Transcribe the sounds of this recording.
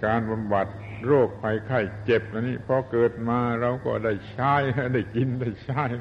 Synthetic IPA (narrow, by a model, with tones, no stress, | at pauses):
kaː˧nba˧mba˨˩t̪̚ | ɾoː˥˩k̚pʰa˧jkʰa˧˥˩jt͡ɕe˨˩p̚ʔa˧niː˦˥pʰɔː˧kɤː˨˩t̪̚maː˧ɾa˧wkɔ̰ː˥˩da˥˩jt͡ɕʰaː˦˥ja˦˥˩da˥˩jki˧nda˥˩jt͡ɕʰa˥˩j